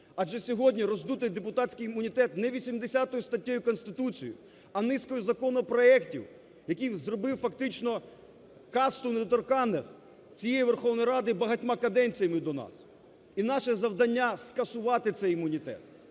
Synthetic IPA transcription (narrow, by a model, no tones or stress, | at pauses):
ɐʒɛsʲɔɦɔdʲnʲiɾɔzd̪ut̪ɪjd̪epʊt̪atʲt͡ssʲkijimʊnʲit̪ɛt̪nɛʋʲisʲimd̪esʲat̪ɔjʊst̪ɐtʲːɔjʊkɔnst̪ɪt̪ut͡sʲijʊ̰ | ɐnɪskɔjʊzɐkɔnɔpɾɔɛktʲiw | jɐkʲijzrɔbɪwfɐkt̪ɪt͡ʃnɔ | kɑst̪ʊned̪ɔt̪ɔrkɑnɪx | t͡sʲijejiʋerxɔwnɔjɾɑd̪ɪbɐɦɐt̚ʲmɑkɐd̪ɛnʲt͡sʲijɐmɪd̪ɔnɑ̰s | inɑʃɛzɐwd̪ɐnʲːaskɐsʊʋɑt̪ɪt̪sɛjɪmʊnʲit̪ɛ̰t̪